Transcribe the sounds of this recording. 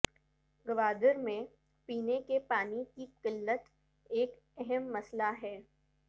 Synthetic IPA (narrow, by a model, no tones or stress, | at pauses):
ɡɐʋaːd̪əɾmẽ | piːnekepaːnikiqɪlːət̪ | eːk | ɛɦɛmːɐslaɦɛː